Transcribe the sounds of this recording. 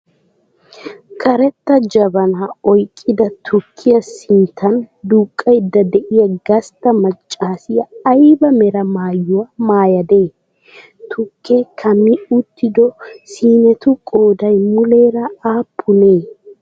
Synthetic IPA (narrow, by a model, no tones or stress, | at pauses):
kʰɐɾɛt̪ːɐd͡ʒɐbɐnaɔjkʼːɪd̪ɐt̪ʰʊkʰːɪjɐsɪnt̪ʰːɐnd̪uːkʼːɐjd̪ːɐd̪ɛʔɪjɐɡɐst̪ːɐmɐt͡ʃʼːaːsɪjɐːjbɐmɛɾɐmaːjːʊwɐmaːjɐd̪e̞ː | t̪ʰʊkʰːekʰɐmːɪʊt̪ːɪd̪ɔsiːnɛt̪ʊkʼoːd̪ɐjmʊleːɾɐaːpʰːʊneː